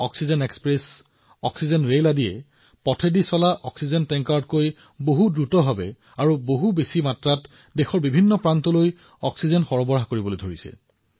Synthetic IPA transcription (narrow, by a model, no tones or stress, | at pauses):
ɔksizɔnekspɹes | ɔksizɔnɹeladiɛ | pɔtʰedisɔlaʔɔksizɔntɛŋkaɹtkoj | boɦudɹutɔbʱabɛ | aɹuboɦubesimatɹat | dexɔɹbibʱinːɔpɹantɔloj | ɔksizɔnxɔɹɔbɔɹɦakoɹibɔlojdʱoɹisɛ̰